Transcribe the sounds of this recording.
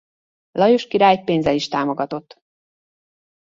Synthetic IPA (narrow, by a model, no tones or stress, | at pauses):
lɒjoʃkiɾaːjpeːnzɛliʃt̪aːmo̞ɡɒt̪o̞t̪ː